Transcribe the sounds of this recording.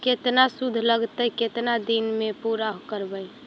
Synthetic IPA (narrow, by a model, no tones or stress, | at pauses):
ket̪nasud̪ʱləɡt̪əjket̪nad̪inmepuɾaɦokəɾbəj